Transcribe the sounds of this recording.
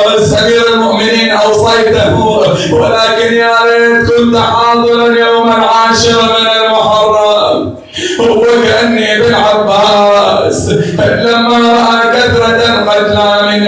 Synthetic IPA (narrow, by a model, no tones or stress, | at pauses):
ɪsabiːɾalmʊʔmɪniːnʔɑwsˤɑjt̪aɦ | wɪlaːkɪnjaːʕnikʊlt̪aħɑːd̪ˤɨɾanjowmanʕaːʃɪɾmɪnalmʊħɑrˤːɑ | hwakaʔanːibɪlʕabːɪaˤɑːslamːaɾˤɑʔakaθɾˤɑt̪anqad̪laːmɪn